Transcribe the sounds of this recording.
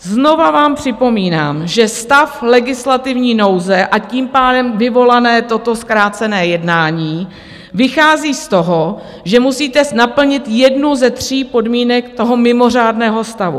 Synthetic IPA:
zno̞vavaːmpr̥ɪpo̞miːnaːmʒɛst̪aflɛɡɪslat̪ɪvɲiːno̞wzɛʔaciːmpaːdɛmvɪvo̞lanɛːt̪o̞t̪o̞skɾaːt͡sɛnɛːjɛdnaːɲiː | vɪxaːziːst̪o̞ɦo | ʒɛmusiːt̪ɛnapl̩ɲɪt̪jɛdnuzɛt̪r̝̥iːpo̞dmiːnɛkt̪o̞ɦomɪmo̞r̝aːdnɛːɦo̞st̪avṵ

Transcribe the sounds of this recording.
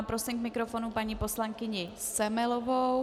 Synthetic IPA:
pɾosɪmkmɪkɾofonupaɲiːposlaŋkɪɲɪ | sɛmɛlovow

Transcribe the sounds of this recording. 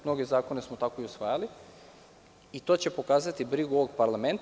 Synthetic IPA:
mno̞ɡe̞zaːko̞ne̞smot̪ako̞iusʋaːjali | it̪o̞ːt͡ɕe̞po̞kaːzat̪ibɾiɡuoʋo̞ɡpaɾlame̞nt̪

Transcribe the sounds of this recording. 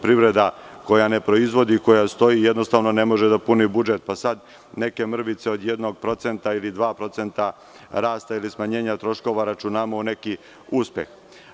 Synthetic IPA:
pɾiʋɾe̞d̪ako̞janepɾo̞izʋo̞d̪iko̞jast̪o̞jijed̪nost̪aːʋno̞ne̞mo̞ʒed̪apunibud͡ʒet̪̚pasad̪ | ne̞ke̞mr̩ʋit̪seo̞d̪jed̪no̞ɡ̚pɾo̞t̪se̞nt̪ailid̪ʋaːpɾo̞t̪se̞nt̪a | ɾaːst̪ailismaɲe̞ːɲat̪ɾo̞ʃko̞ʋaɾat͡ʃunamoune̞ki | uspje̞̰x

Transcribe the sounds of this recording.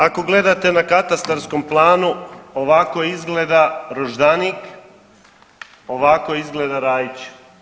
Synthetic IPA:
ako̞ɡle̞d̪at̪e̞nakat̪ast̪aɾskomplˠaːnuoʋakojizɡled̪aɾoʒd̪anik | o̞ʋako̞izɡled̪aɾaːjit͡ɕ

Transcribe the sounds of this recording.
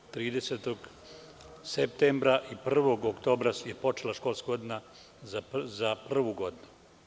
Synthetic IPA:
t̪ɾiːd̪e̞set̪o̞ɡ | sep̚t̪embɾaʔipr̩ʋo̞ɡokt̪o̞ːbɾasjepo̞t͡ʃelaʃko̞lˠskɡo̞d̪ina | zaprr̩ʋuɡo̞d̪inu

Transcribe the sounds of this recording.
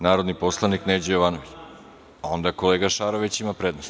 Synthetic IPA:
naːɾo̞d̪niposlˠanikned͡ʑejoʋaːnoʋit͡ɕ | ao̞nd̪ako̞leːɡaʃaːɾoʋet͡ɕimapɾed̪nost̪

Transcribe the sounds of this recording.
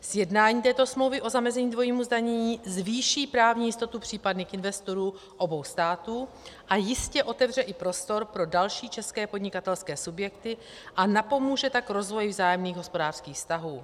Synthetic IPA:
z̥jɛdnaːɲiːt̪ɛːt̪o̞smlowvɪʔo̞zamɛzɛɲiːdvo̞jiːmuzdaɲɛɲiːzviːʃiːpɾaːvɲiːjɪst̪o̞t̪upr̝̥iːpadnɪkʔɪnvɛst̪o̞ɾuː | ʔo̞bo̞wst̪aːt̪uː | ʔajɪscɛʔo̞t̪ɛvr̝ɛʔɪpɾo̞st̪o̞ɾpɾo̞dalʃiːt͡ʃɛskɛːpo̞dɲɪkat̪ɛlskɛːsubjɛkt̪ɪ | ʔanapo̞muːʒɛt̪akɾo̞zvo̞jɪvzaːjɛmniːɣɦo̞spo̞daːr̥skiːxfst̪aɦuː

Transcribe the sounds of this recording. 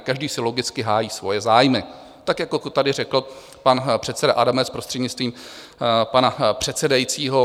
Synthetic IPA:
kaʒdiːsɪlo̞ɡɪt͡skɪɦaːjiːsvo̞jɛzaːjmɪ | t̪akjakokot̪adɪrɛkl̩ | panpr̝̥ɛt̪sɛdaʔadamɛspɾo̞st̪r̥ɛdɲɪt͡st̪viːm | panapr̝̥ɛt̪sɛdajit͡siːɦo̞

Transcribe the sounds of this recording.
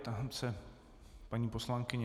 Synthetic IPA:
t̪asɛ | paɲiːposlaŋkɪɲɛ

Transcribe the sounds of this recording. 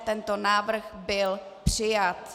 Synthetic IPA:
t̪ɛnt̪onaːvr̩xbɪl | pr̝̥ɪjat̪

